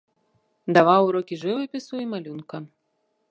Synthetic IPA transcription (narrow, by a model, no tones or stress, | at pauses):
d̪avawɾɔkʲiʐɨvɨpʲisuimalʲunkɐ